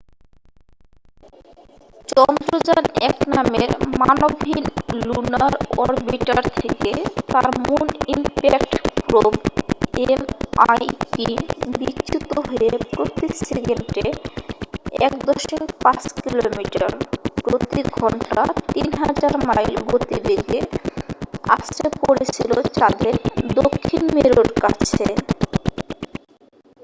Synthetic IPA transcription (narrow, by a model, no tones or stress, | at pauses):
t͡ɕɔnd̪ɾod͡ʑanɛknameɾmanobʱinlunaɾɔɾbiʈaɾt̪ʰeket̪aɾmunimpɛkʈpɾobemajʈibiɕut̪oɦoepɾot̪iseɡenʈe | ɛ̰kd̪oʃimpat͡ɕkilomiʈa̰ɾkɾot̪iɡʱɔɳʈat̪inɦad͡ʑaɾmajlɡot̪ibeɡe | a̰stepoɾet͡ɕʰilot͡ɕaɾleɾd̪okʰːinmeɾoɖkat͡ɕʰe